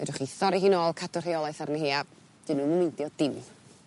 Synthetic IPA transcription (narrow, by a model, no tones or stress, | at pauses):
vɛ̰dʊχiθɔɾiɦɪnoːlˠkʰadʊr̥iɔlˠajθaɾniɦiːa | d̥ɨnuːmumɪntjɔdɪm